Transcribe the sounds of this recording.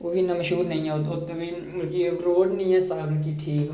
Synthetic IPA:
ʋoːbʱinɐmɐʃɦuːɾnɐɦĩɦɛt̪ʊt̪obʱi | ɐlkiɾoːɖnɐĩɦɛsaːbnkiʈʰiːk

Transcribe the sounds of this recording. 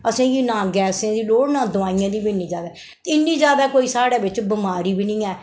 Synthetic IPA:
əsẽːɡiːnãːɡɛːsẽːd̪iːloːɽnãːd̪ʊaːɪjãːd̪iːbiɪnːĩːd͡ʒaːd̪aɛː | ɪnːĩːd͡ʒaːd̪aːkoːiːsaːɽaːbɪt͡ʃbɪmaːɾiːbiːnɪ̃ĩːɛː

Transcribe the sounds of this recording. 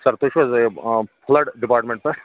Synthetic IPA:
sɐɾt̪oːʃʋɐzɐpʰlɐɖɖipaːɾʈmẽɳʈ̚pɐ

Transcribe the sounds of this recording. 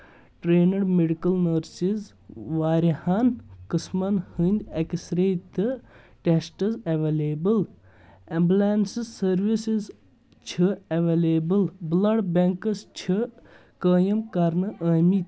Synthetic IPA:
ʈɾeːnɐɾmeɖikɐlnəɾsiz | ʋaːɾʲihankɨsmɐnhɨnʲd̪ʲɐksɾet̪ɨ | ʈesʈɐzɐʋelʲeːbɨl | emblaːnsizsɐɾʋisiz | t͡ʃʰɨɐʋeːleːbɨlblɐɖbʲeŋkɐst͡ʃʰi | kəːjɐmkɐɾnɨʔəːmit̪

